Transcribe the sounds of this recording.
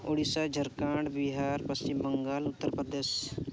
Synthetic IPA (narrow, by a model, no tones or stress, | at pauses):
oːɽisad͡ʒʱəɾkãːɳɖbiɦaːɾpɐst͡ʃɪmbəŋɡaːlʊt̪ːəɾpəd̪eːʃ